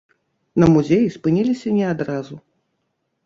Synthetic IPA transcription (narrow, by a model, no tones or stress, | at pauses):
nɐmuzʲejispɨnʲilʲisʲɐnʲɛad̪ɾazu